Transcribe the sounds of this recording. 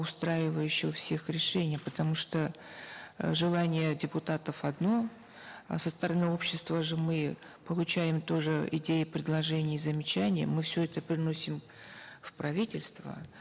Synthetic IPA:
ʊst̪ɾajɪvəjʊɕːɪəfsʲe̞xɾʲɪʂɛnʲɪjpət̪ɐmuʂt̪o | ʐɨlˠanʲɪjədʲɪpʊt̪at̪əfɐd̪no̞ | səst̪əɾɐnɨo̞pɕːɪst̪vəʐɨmɨ | pəlˠʊt͡ɕæjɪmt̪o̞ʐɨɪ̰dʲejɪpɾʲɪd̪lˠɐʐɛnʲɪjzəmʲɪt͡ɕænʲɪjə̰mɨfsʲɵɛt̪əpɾʲɪno̞sʲɪm | fpɾɐvʲitʲɪlʲst̪və̰

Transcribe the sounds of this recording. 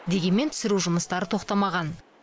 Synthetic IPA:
d̪e̞ɡʲe̞nme̞nt̪ʰʏ̥sɪɾuʒʊməst̪ɑɾət̪ʰo̞qt̪ɑmɑʁɑn

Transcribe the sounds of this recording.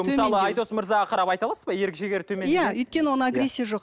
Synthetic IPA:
t̪ʰsɑlˠəɑjd̪o̞sməɾzɑʁɑqʰɑɾɑpɑjt̪ɑlˠɑsəzbɑje̞ɾɪkʒeɡʲe̞ɾt̪ʰɵmenj̪æɵjt̪̚kʲe̞nɪwo̞nəaɡɾʲe̞sʲːijaʒo̞q

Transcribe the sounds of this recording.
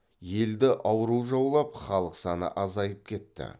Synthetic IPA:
je̞ld̪ɪʔɑwəɾuʒɑwlˠɑpχɑlˠəqsɑnə̰ʔɑzɑjəp̚kʲʰe̞t̪ːɪ̰

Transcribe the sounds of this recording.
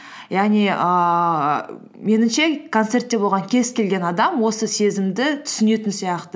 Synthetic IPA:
jɑʁniə | me̞nɪmʃe̞kʰont̪se̞rt̪ːe̞bo̞lˠʁɑŋkʲʰe̞zkʲʰe̞lɡʲe̞nɑd̪ɑmwo̞səse̞zɪmd̪ɪt̪ʰʏ̥sɪne̞t̪ɪnsijɑqt̪ə

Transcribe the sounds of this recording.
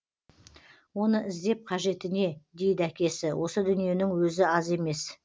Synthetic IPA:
wo̞nəʔɪzd̪e̞p̚qʰɑʒe̞t̪ɪne̞d̪e̞jd̪ɪækʲe̞sɪwʔo̞səd̪ʏnije̞nɪŋwɵzɪɑze̞me̞s

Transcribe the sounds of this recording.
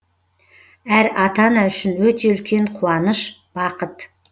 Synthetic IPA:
æɾɑt̪ɑnɑʏʃɪnwɵt̪e̞ʏlkʲʰe̞ɴqʰuɑnəʃb̥ɑqət̪

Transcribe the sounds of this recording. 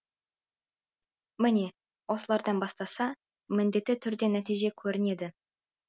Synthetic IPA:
mɪne̞ | wo̞səlˠɑɾd̪ɑnbɑst̪ɑsɑ | mɪnd̪e̞t̪ːɪt̪ʰʏɾd̪e̞næt̪ijʒe̞kʲʰɵɾɪne̞d̪ɪ

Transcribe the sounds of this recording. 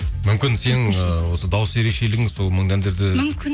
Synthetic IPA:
mʏmkʲɪnse̞ŋəwo̞səd̪ɑwəsje̞ɾe̞kʃe̞lɪɡʲɪŋzso̞lˠməɴd̪ænd̪e̞ɾd̪ɪkʲ

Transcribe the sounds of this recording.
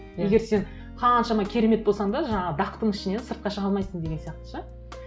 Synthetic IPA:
jeɡʲeɾse̞n | qʰɑnʃɑmɑkʲʰe̞ɾe̞me̞t̪̚bolˠsɑɴd̪ɑʒɑɴɑʁəd̪ɑqt̪əɴɪʃɪne̞nsəɾt̪̚qɑʃəʁɑlˠmɑjsəɴd̪e̞ɡʲenjɑq̚t̪ə̥ʃə

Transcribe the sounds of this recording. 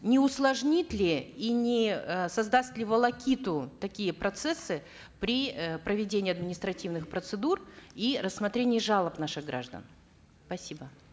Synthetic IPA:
nʲɪʊslˠɐʐnʲit̪ʲlʲɪinʲɪsɐzd̪asʲt̪ʲlʲɪvəlˠɐkʲit̪ʊt̪ɐkʲijəpɾɐt̪sɛsːɨ | pɾʲipɾəvʲɪdʲenʲɪːɐd̪mʲɪnʲɪst̪ɾɐtʲivnɨxpɾət̪sɨd̪urirəsmɐt̪ɾʲenʲɪjəʐalˠəpnaʂɨɣɡɾʔa̰ʐd̪ə̰n | spɐsʲibə

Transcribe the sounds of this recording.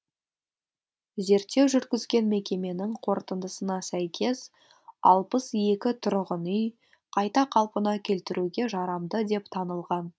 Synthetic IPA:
ze̞ɾt̪ːe̞wʒʏɾt̪kʲɪzɡʲe̞nme̞kʲe̞me̞nɪŋqʰo̞ɾt̪ənd̪əsənɑsæjkʲe̞s | ɑ̰lˠpəsje̞kʲɪt̪ʰʊɾʁənʏj | qʰɑjt̪ɑqʰɑlˠpənɑkʲʰe̞lt̪ɪɾʔuɡʲe̞ʒɑɾɑmd̪əd̪e̞pt̪ʰɑnəlˠʁɑn

